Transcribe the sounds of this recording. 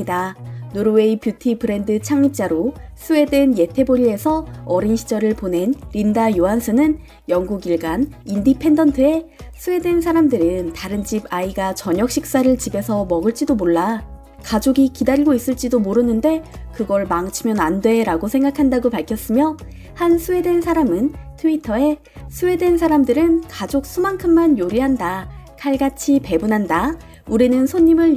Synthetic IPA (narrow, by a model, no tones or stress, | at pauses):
danoɾowe̞ipjutʰipɯɾe̞ndɯt͡ɕʰaŋɲip̚t͡ɕ͈aɾosʰue̞dwe̞nje̞tʰe̞boɾie̞sʰʌʌɾinɕʰi̥d͡ʑʌɾɯɭpone̞nɾindajoɦansʰɯnɯn | jʌŋɡuɡiɭɡanindipʰe̞ndʌntʰɯe̞sʰue̞dwe̞nsʰaɾamdɯɾɯntaɾɯnd͡ʑibaiɡat͡ɕʌɲʌk̚ɕ͈ʰik̚s͈aɾɯɭt͡ɕibe̞sʰʌmʌɡɯɭt͡ɕ͈idomoɭːa | kad͡ʑoɡikidaɾiɡois͈ɯɭt͡ɕ͈idomoɾɯnːɯnde̞kɯɡʌɭmaŋt͡ɕʰimjʌnandwe̞ɾaɡosʰe̞ŋɡakʰandaɡopaɭkʰjʌs͈ɯmjʌ | hansʰue̞dwe̞nsʰaɾamɯntʰɯitʰʌe̞ | sʰue̞dwensʰaɾamdɯɾɯnkad͡ʑok̚s͈ʰumaŋkʰɯmːanjoɾiɦandakʰaɭɡat͡ɕʰipe̞bunɦanda | uɾinɯnsʰoɲːimɯɭ